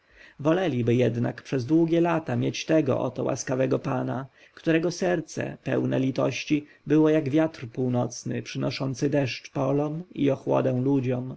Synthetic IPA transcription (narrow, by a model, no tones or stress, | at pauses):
vɔlɛlʲibɘjɛd̪na̰kpʂɛzd̪wuɡʲɛlat̪amʲjet͡ɕt̪ɛɡɔ̰ʔɔ̰t̪ɔwa̰skavɛɡɔpana | kt̪uɾɛɡɔsɛɾt̪sɛ̰pɛ̰wnɛ̰lʲit̪ɔɕt͡ɕi | bɘwɔjaɡvʲjat̪rpuwnɔt̪snɘ̰pʂɘnɔʂɔnt̪sɘd̪ɛʂt͡ʂpɔlɔmḭɔxwɔ̰d̪ɛw̃lud͡ʑɔm